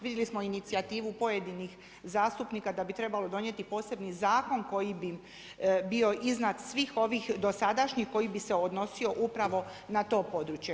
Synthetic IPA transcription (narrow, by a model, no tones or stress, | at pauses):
ʋid̪jelismo̞init̪siat̪iːʋupo̞je̞d̪inix | zaːst̪upniːkad̪abit̪ɾe̞balo̞d̪o̞nje̞t̪ipo̞ːse̞bnizaːko̞nko̞jibi | bio̞ʔiznat̪sʋixo̞ʋixd̪o̞sad̪aʃɲixko̞jibise̞od̪no̞sio̞ʔupɾaʋo̞ | nat̪o̞ːpo̞d̪ɾut͡ɕje